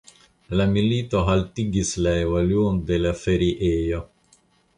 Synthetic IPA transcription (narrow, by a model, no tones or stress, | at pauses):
lamiliːt̪oɦalt̪iɡislaevaljoːnd̪elafeɾiʔeːjo